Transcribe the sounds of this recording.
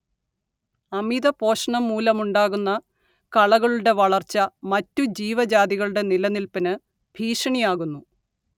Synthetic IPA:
ɐmiðɐpo̞ːʂɐɳɐmːuːlɐmuɳɖaːɣunːɐ | kɐɭɐɣɐɭuɽe̞ʋɐɭɐrt͡ɕːɐmɐtːud͡ʑiːʋɐd͡ʑaːðiɣɐɭuɽe̞nilɐnilpɐnɨ | b̥ʱiːʂɐɳijaːɣunːu

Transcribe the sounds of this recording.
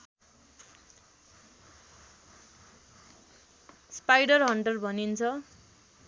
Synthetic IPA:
spajɽʌrɦʌɳɖʌlbʱʌnint͡sʰʌ

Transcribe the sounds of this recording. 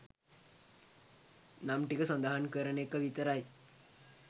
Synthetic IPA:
namʈikəsand̪aɦankəɾənekːəʋit̪əɾaj

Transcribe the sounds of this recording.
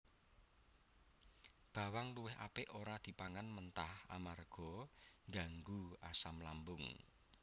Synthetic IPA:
b̥a̤waŋluwɪɦʔa̰pɪʔoɾad̪̥i̤paŋanmənt̪aha̰marɡ̥ɔ̤ŋɡaŋɡua̰samlambʊŋ

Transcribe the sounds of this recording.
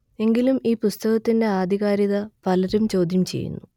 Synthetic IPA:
e̞ŋɡilumiːpust̪ɐɣɐt̪ːinde̞aːd̪ʱiɣaːɾiðɐpɐlɐɾumt͡ɕo̞ːd̪ʱjɐmt͡ɕe̞̰jːṵnːu

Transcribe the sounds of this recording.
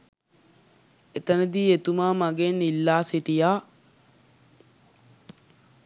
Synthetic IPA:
ʔɛt̪ɐnɐd̪iːjɛt̪ʊmaːmɐɡeːnɪlːaːsɪt̪ɪjaː

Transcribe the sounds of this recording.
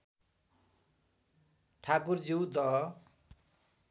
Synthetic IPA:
ʈʰakurd͡ziwd̪ʌɦʌ

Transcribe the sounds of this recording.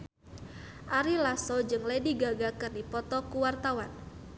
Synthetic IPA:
ʔaɾilasɔd͡ʒɨŋlediɡaɡakɨrdipɔt̪ɔkuwart̪awan

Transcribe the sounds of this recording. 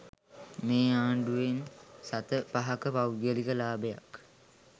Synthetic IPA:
meːaːɳɖuʋensat̪əpaɦakəpawɡəlikəlaːbəja̰k

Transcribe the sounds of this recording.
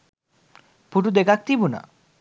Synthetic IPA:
puʈud̪ekak̚t̪ibuna̰

